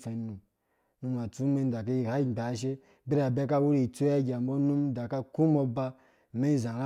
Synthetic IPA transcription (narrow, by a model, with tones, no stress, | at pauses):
fe˨˦nu˨m | nu˧ma˨t͡su˦me˦n˦da˨ka˦i˦˨ha˦i˦˨ɡ͡ba˨˦ʃ̬e˦ | bi˦ɾa˨be˦ka˦wu˦ɾi˨t͡su˦a˦ɡʲa˨m̩˦bo˦nu˦m˦da˨ka˦ku˦mo˧ba˧˨ | me˦zã˨ɾa˦